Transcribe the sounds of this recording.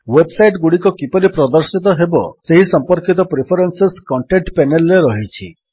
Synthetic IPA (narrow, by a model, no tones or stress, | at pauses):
websajʈɡuɽikɔkipɔɾipɾɔd̪ɔɾsit̪ɔɦebɔ̰seɦisɔmpɔɾkit̪ɔpɾipʰɔɾenseskɔɳʈeɳʈpenelːeɾɔɦit͡ʃʰḭ